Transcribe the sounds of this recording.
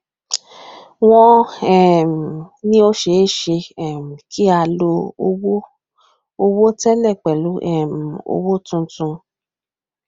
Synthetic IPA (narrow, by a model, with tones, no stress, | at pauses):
w̃ɔ̃˧ɛ˨m˨nĩ˦o˦ʃe˨˦ʃe˧ɛ˨m˨ki˦a˧lo˧wo˦ | o˧wo˦tɛ˦lɛ˦˨k͡pɛ˨lu˨˦ʔɛ˦˨m˨o̰˧wo˦tũ˧tũ˧